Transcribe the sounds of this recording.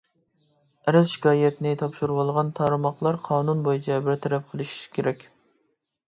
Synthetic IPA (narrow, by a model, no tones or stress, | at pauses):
ɛɾɛzʃi̥kʲʰɑːjɛt̪nɪt̪ʰɑpʃuɾwɑlˠʁɑnt̪ʰɑɾɨmɑqlˠɑɾqʰɑːnunbojit͡ʃʰɛbɪɾt̪ʰɛɾɛp̚qʰəlˠɨʃi̥ʃkʲʰeɾɛkʲ